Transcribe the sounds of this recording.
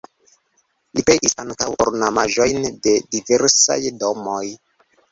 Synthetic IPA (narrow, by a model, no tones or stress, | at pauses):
lipejʔisaŋkawo̰ɾnamaʒo̞jnde̞dive̞ɾsa̰jdo̞moj